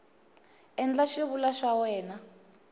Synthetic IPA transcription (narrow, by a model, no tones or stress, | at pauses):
ɛnd͡ɮaʃiβulaʃawɛːna